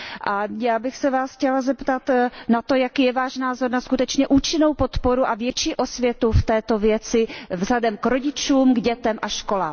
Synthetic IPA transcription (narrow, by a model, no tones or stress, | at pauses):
ʔajaːbɪxsɛvaːsxcɛlazɛpt̪at̪nat̪o̞jakiːjɛvaːʃnaːzo̞ɾnaskut̪ɛt͡ʃɲɛʔuːt͡ʃɪnowpo̞t̪po̞ɾuʔavjɛt͡ʃiːʔo̞svjɛt̪uft̪ɛːt̪o̞vjɛt͡sɪvzɦlɛdɛmkɾo̞ɟɪt͡ʃuːmɡɟɛt̪ɛmʔaʃko̞la̰ːm